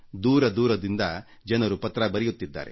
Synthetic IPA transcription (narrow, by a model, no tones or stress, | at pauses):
d̪uːɾɐd̪uːɾɐd̪ind̪ɐ | d͡ʒɐnɐɾupɐt̪ːɾɐbɐɾɛjut̪ːid̪ːa̰ːɾe